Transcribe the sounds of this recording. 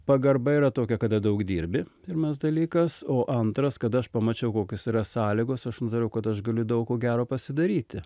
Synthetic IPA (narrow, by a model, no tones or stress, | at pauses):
pɐɡɐɾbɐiːɾɐt̪oːkʲɛkɐd̪ɐd̪ɐʊɡd̪ʲiːɾʲbʲɪpʲɪrmɐsd̪ɐlʲiːkɐsoːʔɐnt̪ɾɐskɐd̪ɐɐʃpɐmɐt͡ʃʲɛʊkoːkʲoːsiːɾɐsɑːlʲɪɡoːsɐʃnʊt̪ɐɾʲɛʊkɐt̪ɐʃɡɐlʲʊd̪ɐʊkkoːɡʲæːɾoːpɐsʲɪd̪ɐɾʲiːt̪ʲɪ